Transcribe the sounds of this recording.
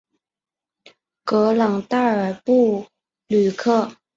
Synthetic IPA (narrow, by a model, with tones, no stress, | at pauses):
kɤ˧˥lɑ˨˩ŋt̪a˥˩ə˞˨˩pu˥˩ | ly˨˩kʰɤ˥˩